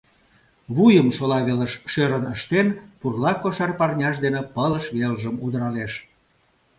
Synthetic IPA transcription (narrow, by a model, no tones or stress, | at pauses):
βujəmʃolɑβeləʃʃøɾənəʃt̪enpurlɑkoʃɑrpɑrnʲɑʃd̪enepələʃβelʒəmud̪əɾɑleʃ